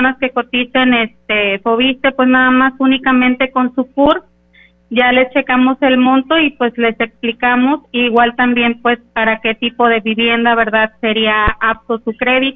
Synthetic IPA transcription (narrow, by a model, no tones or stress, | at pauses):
naskekot̪isenest̪efoβist̪epwesnaðamasunikamẽ̞nt̪ekonsupuɾ | ʝalest͡ʃekamoselmont̪oipwesle̞seksplikamosiːɣwalt̪ambje̞mpwespaɾaket̪ipoðe̞βiβjend̪aβeɾðaðseɾiaap̚t̪osukɾeðit̪o